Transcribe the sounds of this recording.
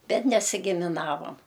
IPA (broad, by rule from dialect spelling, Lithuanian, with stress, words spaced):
ˈbʲɛt nʲɛsʲɪɡʲɪmʲɪˈnɑːʋoːm